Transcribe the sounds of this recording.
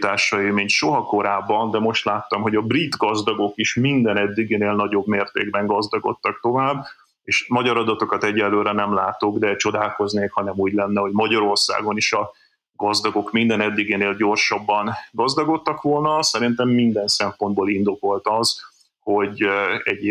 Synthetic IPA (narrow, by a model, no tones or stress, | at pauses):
t̪aːrʃɒeːmeːɲʃo̞ɦɒko̞ɾaːbːɒnd̪ɛmo̞ʃt̪laːt̪ːɒmɦo̞ɟɒbrit̪ɡɒzd̪ɒɡo̞kiʃmind̪ɛnɛd̪ːiɡeːneːlnɒɟo̞bmeːrt̪ḛːɡbɛŋɡɒzd̪ɒɡo̞̰t̪ːɒk̚t̪o̞vaːbː | eːʃmɒɟɒɾɒd̪ɒt̪o̞kɒt̪ɛɟːɛlːøːɾɛnɛmlaːt̪o̞ɡd̪ɛt͡ʃo̞d̪aːlko̞zneːkhɒnɛmuːɟlɛnːɛo̞ɟmɒɟɒɾo̞rsa̰ːɡo̞niʃɒ | ɡɒzd̪ɒɡo̞kmind̪ɛnɛd̪ːiɡeːneːlɟo̞rʃɒbːɒnɡɒzd̪ɒɡo̞t̪ːɒkʋo̞lnɒsɛɾint̪ɛmːind̪ɛnsɛmpo̞nd̪boːlind̪o̞ko̞lt̪ɒz | ho̞ɟɛɟ